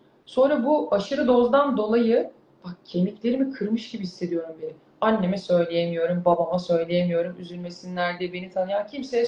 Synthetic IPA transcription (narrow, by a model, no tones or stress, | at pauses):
so̞nɾabuaʃɯɾɯd̪o̞zd̪and̪o̞lˠajɯ | b̥ak̚cʰe̞miclʲe̞ɾimikʰɯɾmɯʃɟibihisːe̞d̪ijo̞ɾumbeɾi | anːe̞mɛsø̞jlʲeje̞mijo̞ɾumbabamasø̞jlʲejemijo̞ɾumyzylʲme̞sinnæɾd̪ɛbe̞nit̪ʰanɯjancʰimsɛ